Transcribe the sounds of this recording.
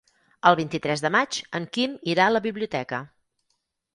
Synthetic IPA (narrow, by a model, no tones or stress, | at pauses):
əlˠβint̪it̪ɾɛzðəmat͡ʃəŋkimiɾaləβiβliut̪ɛkə